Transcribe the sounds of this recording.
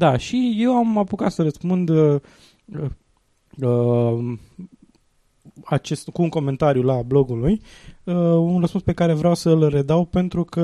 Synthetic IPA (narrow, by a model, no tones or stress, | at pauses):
d̪aʃije̞wamapukat̪səɾəspund̪ə | ə | ə | at͡ʃe̞st̪kuːŋko̞me̞nt̪aɾjulablo̞ɡulujəunrəspunspe̞kaɾe̞vɾʲawsəlre̞d̪awpe̞nt̪ɾukə